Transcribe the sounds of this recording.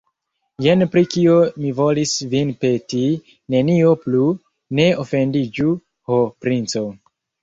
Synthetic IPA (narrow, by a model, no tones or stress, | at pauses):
jenpɾikiomivolisvinpe̞ti | ne̞nio̞plu | ne̞ofe̞ndid͡ʒu | hopɾint͡so